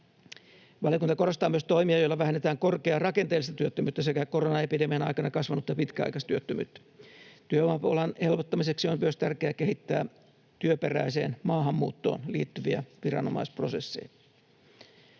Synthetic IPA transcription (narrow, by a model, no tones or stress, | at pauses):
ʋɑlijokunt̪ɑko̞rost̪ɑːmyøst̪o̞imiɑjoilːɑʋæhenːet̪æːŋkorkeɑrɑkent̪eːlːist̪ɑt̪yøt̪ːømyːt̪ːæsekækoronɑepidemenɑ̰ikɑnɑkɑsʋɑnut̪ːɑpit̪kæɑ̰ikɑst̪yøt̪ːømy̰ːt̪ːæ̥t̪yøʋɑpolɑne̞lʋot̪ːɑmiseksiommyøst̪ærkeækeɦit̪ːæː | t̪yøperæ̰ise̞̰ːnmɑːɦɑmːṵːt̪ːo̰ːnlḭːt̪ːyʋiæ̰ʋirɑ̰no̰mɑ̰ispro̞sesːḭjɑ